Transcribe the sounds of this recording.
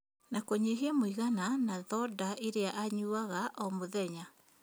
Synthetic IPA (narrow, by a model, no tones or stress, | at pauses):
nakoɲeɦeɛmoiɣananaðɔdaʔeɾeaʔaɲuaɣaʔɔmoðɛɲa